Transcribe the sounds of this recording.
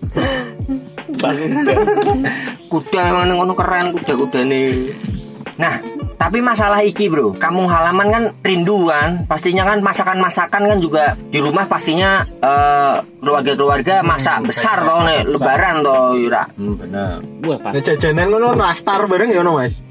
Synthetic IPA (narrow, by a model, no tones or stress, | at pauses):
kud̥aemaŋnɪŋonokəɾankud̥akud̥anɪ | naht̪ap̬imas̬alaɦikibɾukamʊŋɦalamankanrinduanpast̪iɲakanmasakanmasakankand͡ʒuɡad̥iɾumahpast̪iɲaəkəluarɡakəluarɡamasabəsart̪oneləbaɾant̪ojuɾa̰ʔ | ad͡ʒad͡ʒananɔnɔrast̪arbaɾəŋanɔmas